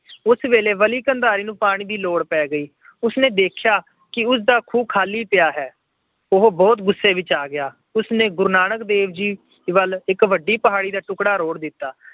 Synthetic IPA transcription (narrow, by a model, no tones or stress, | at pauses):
ʊsʋeːleːʋəliːkənd̪aːɾiːnũːpaːɽ̃iːd̪iːloːɽpɛːɡəiː | ʊsneːd̪eːkʰɪjaː | kɪʊsd̪aːkʰuːb̚kʰaːliːpɪjaːɦɛː | ʊɦbɔːt̪ɡʊsːeːʋɪt͡ʃaːɡɪjaː | ʊsnẽːɡʊɾnaːnəkd̪eːʋd͡ʒiː | ʋəlɪkʋəɖːiːpəɦaːɽiːd̪aːʈʊkɽaːɾoːɽd̪ɪt̪ːaː